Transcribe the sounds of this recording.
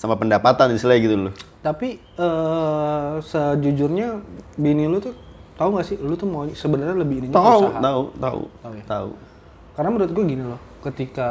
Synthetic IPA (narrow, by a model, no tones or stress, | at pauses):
samapəndapat̪aninsilaɡit̪ulʊt̪api | əː | səd͡ʒud͡ʒʊrɲabinilut̪u | t̪auŋɡaʔsɪlut̪ʊuhmaɲsəbənərɲaləbɪiniɲasuaɦat̪aut̪a̰t̪aujat̪aṵ | karənaməɾuat̪ɡuaɡinilɔh | kət̪ika